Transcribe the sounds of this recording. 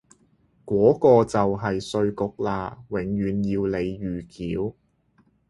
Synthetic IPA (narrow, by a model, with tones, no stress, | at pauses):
kwɔː˨˥kɔː˧t͡sɐ˨wɦɐ˨jsɵ˧ɥkʊ˨˥k̚laː˧wɪ˨˥ŋjyː˨˧˥njiː˧wle˨˧jjyː˨˩kiː˨˥w